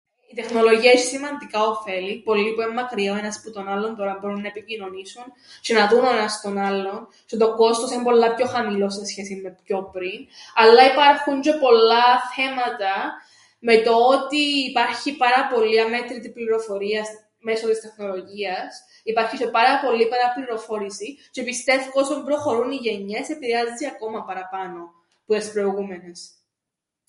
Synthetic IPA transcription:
it̪e̞xno̞lo̞ʝiɐeʃi̥simɐnd̪ikɐo̞fe̞lipo̞lːipuemːɐkɾiɐoe̞nɐsput̪o̞nɐlːo̞nt̪o̞ɾɐmbo̞ɾunːɐepicino̞nisun | t͡ʃenɐðunoenɐst̪o̞nɐlːo̞n | set̪o̞ko̞st̪o̞simpo̞lːɐpço̞xɐmilo̞sesçe̞simːe̞pço̞pɾinɐlːɐipɐɾxund͡ʒe̞po̞lːɐθe̞mɐt̪ɐ | me̞t̪oot̪iːpɐɾçipɐɾɐpo̞lːiɐme̞t̪ɾit̪ipliɾo̞fo̞ɾiɐs | me̞sot̪ist̪e̞xno̞lo̞ʝiɐs | ipɐɾçisepɐɾɐpo̞lːipɐɾɐpliɾo̞fo̞ɾisit͡ʃepist̪e̞fkosombɾo̞xo̞ɾuniʝe̞ɲe̞se̞piɾeɐzziɐko̞mɐpɐɾɐpɐno̞ | puespɾo̞iɣume̞nes

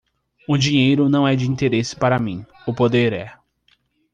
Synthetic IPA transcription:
ũd͡ʒĩɲejɾʊnɐ̃w̃ɛd͡ʒɪĩnt̪eɾesɪ̥paɾɐmĩ | ʊpod̪eɾɛ

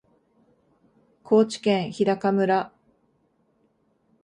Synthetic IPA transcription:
kʰo̞ːt͡ɕi̥kẽ̞ɰ̃çid̪akamɯ̟ɾa

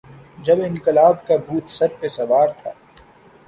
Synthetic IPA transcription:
d͡ʒɐbɪ̃nkɪlaːb̚kabʱuːt̪sɐɾpesɐʋaːɾt̪ʰaː

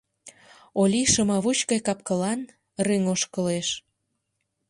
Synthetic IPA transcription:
olʲiʃə̆mɑβut͡ɕkɑjkɑp̚kəlɑn | ryŋoʃkəleʃ

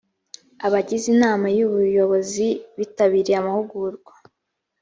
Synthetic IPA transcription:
aβaɟizinaːmajuβujo̞βo̞ziβitaβiɾiamahuɡuɾɡwa

